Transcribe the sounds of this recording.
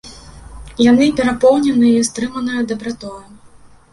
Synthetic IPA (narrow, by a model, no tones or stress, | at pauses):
jan̪ɨpʲɛɾapɔwnʲɛnɨjɐist̪ɾɨmɐnɨjɐd̪ɐbɾat̪ɔjɐm